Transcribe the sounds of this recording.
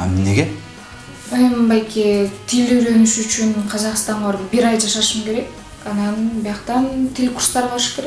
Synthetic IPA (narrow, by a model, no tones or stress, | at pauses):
ɑ̰mneɡʲe | membɑjkʲet̪ʰilyɾønyʃyt͡ʃynqʰɑzɑqst̪ɑɴʁɑɾbiɾɑjd͡ʒɑʃɑʃɯmke̞ɾe̞k̚ | ɑnɑnbijɑqt̪ɑnt̪ʰelʲkuɾst̪ɑɾbɑɾʃkʰe̞ɾe